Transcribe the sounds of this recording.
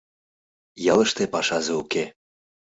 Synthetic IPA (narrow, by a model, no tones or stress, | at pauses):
jɑlə̆ʃt̪epɑʃɑzeuke